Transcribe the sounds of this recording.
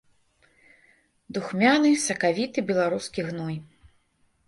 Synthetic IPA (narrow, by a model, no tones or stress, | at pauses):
d̪uxmʲanɨsɐkavʲit̪ɨbʲɛlˠaɾuskʲiɣnɔj